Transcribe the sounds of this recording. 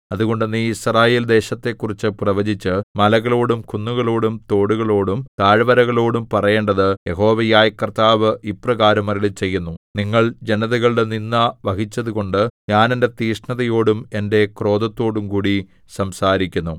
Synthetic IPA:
ɐðuɣo̞ɳɖenːiisraːje̞ːld̪e̞ːɕɐt̪ːe̞kːurit͡ɕːɨprɐʋɐd͡ʑit͡ɕːɨmɐlɐɣɐɭo̞ːɽumkunːuɣɐɭo̞ːɽumt̪o̞ːɽuɣɐɭo̞ːɽumt̪aːɻʋɐɾɐɣɐɭo̞ːɽumpɐrɐje̞ːɳɖɐðɨjeɦo̞ːʋɐjaːjɐkːɐrt̪aːʋɨʔiprɐɣaːɾɐmɐɾilet͡ɕe̞jːunːuniŋːɐɭd͡ʑe̞nɐðɐɣɐɭɽeninːɐʋɐɦit͡ɕːɐðuɣo̞ɳɖɨɲaːnende̞t̪iːʂɳɐðɐjo̞ːɽume̞nde̞kro̞ːðɐt̪ːo̞ːɽumkuːɽi | sɐmsaːɾikʲːunːu

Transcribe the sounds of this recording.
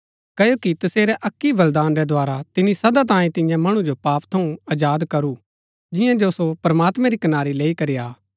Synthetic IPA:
kɐjokit̪ɐseːɾɛʔɐkːiʋɐld̪aːnɾɛd̪ʱoaːɾat̪ɪnisɐd̪at̪̬ãːĩt̪ɪjãmɐɽ̃ud͡ʒopaːpt̪ʰɐũɐd͡ʒaːd̪kɐɾu | d͡ʒɪjãd͡ʒosopɾɐmaːt̪mɛ̃ɾikɐnaːɾileːikɐɾijaː

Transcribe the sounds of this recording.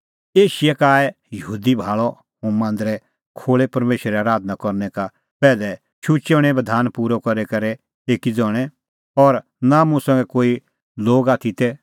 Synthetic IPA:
eːʃɪjɛkaːɛ | jɐɦuːd̪ibʱaːɭɔ | ɦũmãːnd̪ɾɛ | kʰoːɭepɐɾmeːʃɾɛaːɾaːd̪ʱnakɔɾnɛka | pɛːlɛ | t͡ʃʰut͡ʃeːɽ̃ɛbɐd̪ʱaːnpuːɾɔkɐɾɛkɐɾɛ | eːkid͡zɔːɽ̃ɛ | ɔɾ | namʊ̃sɐ̃ŋɡɛkoːi | loːɡaːt̪ʰit̪ɛ

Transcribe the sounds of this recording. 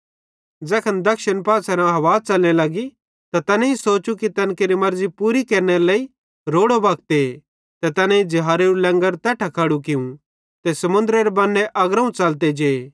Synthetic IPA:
d͡zɛːkʰɐnd̪ɐkʃənpaːsɛɾãɦɐʋaːt͡ʃɐlnelɐɡi | t̪at̪ɐnẽĩsoːt͡ʃukit̪ɐnkeɾimɐɾzipuːɾikɐːɾneɾelɐːi | ɾoːɽobɐːkt̪e | t̪ɛt̪ɐnẽĩd͡ʒɪɦaːɾeɾulɛ̃ŋɡəɾt̪ɛːʈʰɐkʰɐɽuk̬ɪũ | t̪esɐmʊ̃nd̪ɾeɾebɐnːeʔɐɡɾɐũt͡ʃɐlt̪̬ed͡ʒe

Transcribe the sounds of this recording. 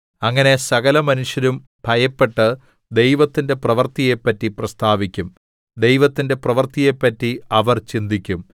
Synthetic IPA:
ɐŋːɐne̞sɐɣɐlɐmɐnuʂjɐɾum | b̥ʱɐjɐpːe̞ʈːɨ | d̪e̞jʋɐt̪ːinde̞prɐʋɐrt̪ijepːɐtːiprɐst̪ʰaːʋikʲːum | d̪e̞jʋɐt̪ːinde̞prɐʋɐrt̪ije̞pːɐtːiɐʋɐrt͡ɕind̪ikʲːum

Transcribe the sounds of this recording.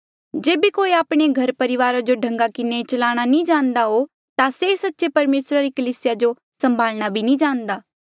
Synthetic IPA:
d͡ʒeːbikoːiaːpɽ̃eɡʱɐɾpɐɾɪʋaːɾad͡ʒoɖʱɐ̃ŋɡakɪnet͡ʃɐlaːɽ̃anĩd͡ʒãːnd̪aɦo | t̪asesɐtːʃepɐɾmeːsɾaɾikɐliːsɪjad͡ʒo | sɐ̃mbʱaːlɽ̃abʱinĩd͡ʒãːnd̪aː

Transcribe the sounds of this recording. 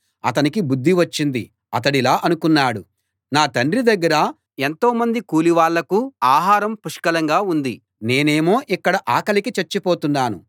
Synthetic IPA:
ɐ̰t̪ɐnikibud̪ʱːiʋɐt͡ʃːind̪i | ɐt̪̬ɐɽilaːʔɐnukunːaːɽu | naːt̪ɐɳɖɾid̪ɐɡːɐɾɐ | e̞nt̪o̞ːmɐnd̪ikuːliʋaːɭːɐkuaːɦaːɾɐmpuʂkɐlɐŋɡaːund̪i | ne̞ːne̞ːmo̞ːʔikːɐɽɐʔaːkɐlikit͡ʃeɾt͡ʃːipoːt̪unːaːnṵ

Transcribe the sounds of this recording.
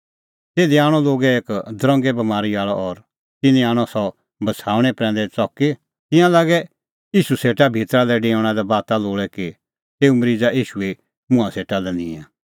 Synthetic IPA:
t̪eːd̪iaːɽ̃ɔloːɡɛeːkd̪ɾɔ̃ŋɡɛbɐmaːɾiaːɭɔ̰ʔɔɾ | t̪ɪnĩaːɽ̃ɔsɔ | bɐsʰaːʊɽ̃ɛpɾɛ̃ːnd̪ɛt͡sɔkːe | t̪ɪ̃jãlaːɡɛ | iːʃuseːʈabʱit̪ɾalɛɖẽːʊɽ̃ãd̪abaːt̪aloːɭɛki | t̪eːumɾid͡zaʔiːʃue | mʊ̃ãseːʈalɛnɪ̃ɛ̃

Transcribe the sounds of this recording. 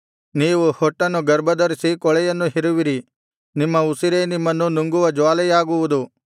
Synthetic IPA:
niːʋuhɔʈːɐnːuɡɐɾbɐd̪ɐɾisikɔɭɛjɐnːuɦiɾuʋiɾi | nimːɐusiɾeːnimːɐnːunuŋɡuʋɐd͡ʒaːlɛjaːɡuʋud̪u

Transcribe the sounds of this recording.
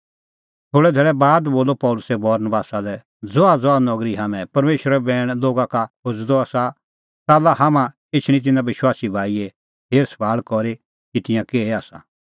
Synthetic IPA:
t̪ʰoːɽɛd̪ʱeːɭɛbaːd̪boːlopɔːlʊsɛbɐɾnəbaːsalɛ | d͡zɔad͡zɔanɔɡɾiɦaːmɛ̃pɐɾmeːʃɾɛbɛːɽ̃loːɡakakʰod͡zd̪ɔaːsa | t̪aːlahamã | et͡ʃʰɽ̃ĩt̪̬ɪnãbɪʃwaːsibʱaːiɛ | ɦeːɾsbʱaːɭkɔɾe | kit̪ɪ̃jãkeːeaːsa̰

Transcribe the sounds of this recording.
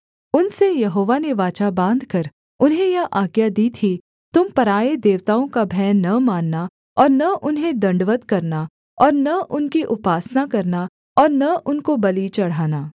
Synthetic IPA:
ʊnsejɐɦoːʋaneʋaːt͡ʃabãːnd̪ʱkɐɾ | ʊnɦẽjaʔaːɡjad̪iːt̪ʰi | t̪ʊmpɐɾaːed̪eːʋt̪aːõkabʱɛːnːɐmãːnːa | ɔːɾnɐʔʊnɦẽd̪ɐ̃ɳɖʋət̪kɐɾna | ɔːɾnɐʔʊnkiʔʊpaːsnakɐɾna | ɔːɾnɐʊnkobɐlit͡ʃɐɽ̤aːnaː

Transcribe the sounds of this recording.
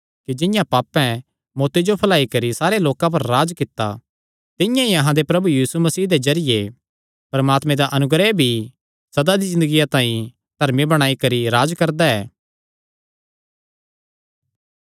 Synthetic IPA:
kid͡ʒɪ̃jãpaːpɛ̃ | moːt̪ed͡ʒopʰɐlaːikɐɾisaːɾeloːkãp̬ɐɾːaːd͡ʒkɪt̪ːa̰ | t̪ɪ̃jãiɐɦãd̪epɾɐbujiːsumɐsiːɦd̪ezɐɾɪje | pɐɾmaːt̪mẽd̪aʔɐnʊɡɾɛbʱi | sɐd̪ad̪izɪ̃nd̪əɡijat̪ãːĩ | d̪̥ʱɐɾmibɐɽ̃aːikɐɾiɾaːd͡ʒkɐɾd̪aɛː

